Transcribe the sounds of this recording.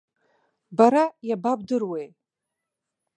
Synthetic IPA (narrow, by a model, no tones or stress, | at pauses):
baɾajabab̚dɨrwe̞j